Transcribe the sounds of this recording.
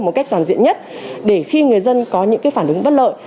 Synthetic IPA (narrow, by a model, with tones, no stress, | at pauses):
mo˨˩t̚ka˦˥jk̚t̪aː˨˩nzḭ˧˨ənɲə˦˥t̚ɗe˧˩xi˧ŋɨ˨˩əjzə˧nkɔ˨˦ɲɨ̰˧˥ŋkaː˨˦jfaː˧˩nʔɨ˨˦ŋɓə˦˥t̚lə̰ː˧˨j